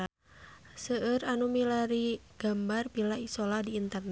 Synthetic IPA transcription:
səəranumilaɾiɡ̥ambarbilaisolahdiːnt̪ərn

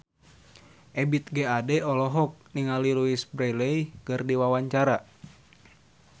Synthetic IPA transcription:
ʔɛbit̪̚ɡeadɛɔlɔɦɔk̚niŋaliluisbɾɛjlejkɨrdiwawaɲt͡ʃaɾa

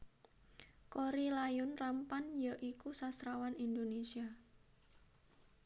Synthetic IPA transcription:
koɾilajʊnrampanjəʔikusasɾawanind̪onesia

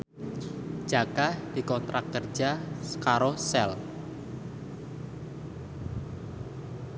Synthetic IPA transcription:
d͡ʒ̥akad̥i̤kɔnt̪ɾʔakːərd͡ʒakaɾosɛl

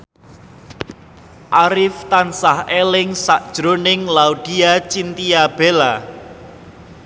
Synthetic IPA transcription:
ʔaɾɪft̪ansahelɪŋsaʔd̥ʒ̥ɾonɪŋlaud̪̥i̤at͡ʃint̪iab̥ela

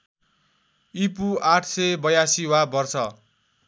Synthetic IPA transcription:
ipuaʈʰsejbʌjasiɦwabʌrt͡sʰʌ

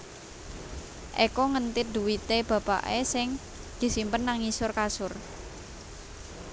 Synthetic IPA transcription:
ʔekɔŋənt̪ɪt̪̚d̪̥uwit̪eb̥ä̤pa̰ʔesɪŋ | d̪̥i̤simpənːaŋisʊrkasʊr

